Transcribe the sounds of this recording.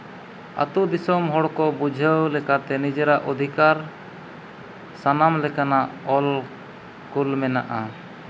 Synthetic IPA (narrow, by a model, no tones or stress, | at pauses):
a̰t̪ud̪isɔmɦɔɽkɔbud͡ʒʱəwlɛkat̪ɛnid͡ʒɛɾaʔɔd̪ʱikaɾ | sanamlɛkanaʔɔl | kulmɛnaʔa